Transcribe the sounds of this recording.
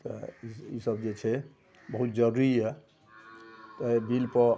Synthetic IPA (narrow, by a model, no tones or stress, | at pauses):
t̪ɔ̰isəbd͡ʒet͡ʃʰɛ | bəɦut̪̚d͡ʒəɾuɾie | t̪ɔbilpɔ